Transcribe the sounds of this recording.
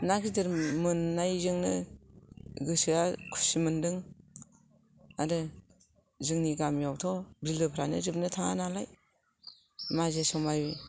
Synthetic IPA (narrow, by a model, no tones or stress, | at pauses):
naɡidɯɾmɯnːajzɯŋnɯ | ɡɯsɯakʰu̥simɯndɯŋ | aɾɯ | zɯŋniɡamjawtʰɔbilɯpʰɾanɯ̰ɾɯp̚nɯtʰaŋanalaj | mazesɔmajbi